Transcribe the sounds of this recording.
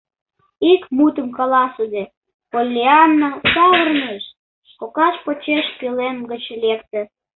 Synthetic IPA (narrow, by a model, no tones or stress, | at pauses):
ikmut̪əmkɑlɑsud̪e | polʲːiɑnːɑsɑvərneʃ | kokɑʃpot͡ɕeʃpilenɡət͡ɕlekt̪ĕ